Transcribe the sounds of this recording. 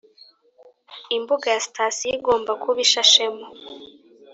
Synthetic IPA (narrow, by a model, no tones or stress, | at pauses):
imbuɡajasi̥tʰaːsijiɡo̞ːmbakʰuβiʃaʃemo